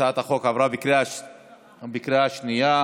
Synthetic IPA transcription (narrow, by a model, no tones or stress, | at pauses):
at̪aχokavɾabikɾea | bikɾeaʃnija